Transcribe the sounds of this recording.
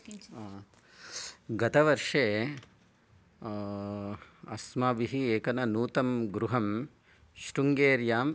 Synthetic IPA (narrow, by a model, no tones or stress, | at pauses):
ɡɐt̪ɐʋɐɾʂeː | ɐsmaːbiɦieːkɐnɐnuːt̪ɐmɡɾuɦɐm | ʃɾuŋɡeːɾjaːm